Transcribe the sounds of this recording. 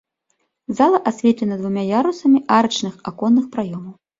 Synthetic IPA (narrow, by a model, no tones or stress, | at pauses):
zalˠɐʔasʲvʲɛt̪lʲɛnɐd̪vumʲajaɾusɐmʲiʔaɾɐt͡ʂnɨxakɔnːɨxpɾajɔmɐw